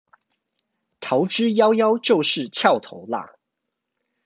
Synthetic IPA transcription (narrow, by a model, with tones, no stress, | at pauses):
t̪ʰɑ˨˧˥ʊʈ͡ʂɻ̩˥jɑ˥ʊjɑ˦˥ʊt͡ɕjo˥˧ʊʂɻ̩˥˨t͡ɕʰjɑ˥˨ʊt̪ʰo˧˦ʊla̰˥˩